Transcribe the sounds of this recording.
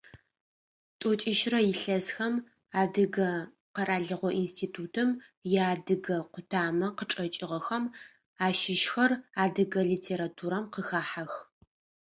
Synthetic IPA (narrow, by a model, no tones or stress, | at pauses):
tʼot͡ʃʼɪʃrɐjɪɬɐzxɐm | aːdɨɡɐ | qɐɾaːɮɨʁʷɔʔinstʰiːtʰuːtʰɨmjaːdɨɡɐqʷʊtʰaːmɐqəʈ͡ʂʼɐt͡ʃʼɪʁɐxɐm | aːʃɪʃxɐraːdɨɡɐɮiːtʰeːɾatʰuːɾɐmqəxaːħax